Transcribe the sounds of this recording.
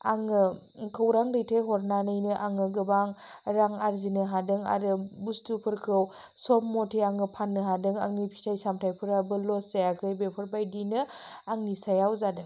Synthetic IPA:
aŋɯ | kʰɯwɾaŋɾɯjtʰejɦɔɾnanɯjnɯʔaŋɯɡɯbaŋɾaŋaɾzinɯɦadɯŋa̰ɾɯbustupʰɯɾkʰɯw | sɔpmɔtʰiaŋɯpʰanːɯɦadɯŋa̰ŋnipʰi̥tʰajsamtʰajpʰɯɾabɯlɔszajakʰɯjbepʰɯɾbajdinɯ | aŋnisajawzadɯŋ

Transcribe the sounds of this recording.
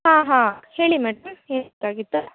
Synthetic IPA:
hãːɦãːheːɭimɛːɖɐmeːt̪ːaːɡit̪ːu

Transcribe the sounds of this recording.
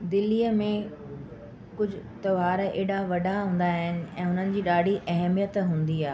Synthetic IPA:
d̪ɪliːəmẽ | kʊd͡ʑʱʊt̪ɐʋaːɾeːɗaʋɐɖʱaɦũːn̆d̪aɦɪnɪ̆ɛ̰̃ːɦʊnənɪ̆d͡ʑiːɗaːɖʱiʔɐɦɛmijət̪ɦũːn̆d̪iaːɦe

